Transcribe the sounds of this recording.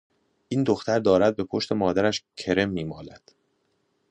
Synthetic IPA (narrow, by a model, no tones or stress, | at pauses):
ʔiːnd̪oxt̪æɾd̪ɒːɾæd̪̚be̞pʰo̞ʃt̪e̞mɒːd̪æɾæʃcʰe̞ɾe̞mːiːmɒːlæd̪̥